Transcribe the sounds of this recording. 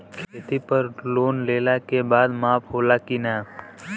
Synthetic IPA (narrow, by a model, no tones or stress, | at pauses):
kʰeːt̪ipəɾloːnleːlakebaːd̪maːpʰɦoːlakinaː